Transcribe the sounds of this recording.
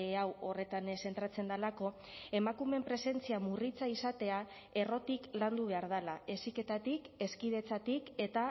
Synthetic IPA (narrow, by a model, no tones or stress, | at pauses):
awo̞re̞t̪anse̞nt̪ɾat͡se̞nd̪alako̞ | e̞makume̞mpɾe̞se̞nt͡siamurit͡saisat̪e̞a | e̞ro̞t̪ikland̪uβ̞e̞aɾð̞alae̞sike̞t̪at̪ike̞skið̞e̞t͡sat̪ike̞t̪a